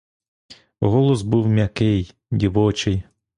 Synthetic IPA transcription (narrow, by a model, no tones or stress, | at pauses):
ɦɔlˠɔzbuwmʲɐkɪj | dʲiʋɔt͡ʃɪj